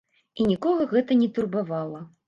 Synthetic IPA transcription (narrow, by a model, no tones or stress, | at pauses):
inʲikɔɣɐɣɛt̪ɐnʲɛt̪urbavalˠɐ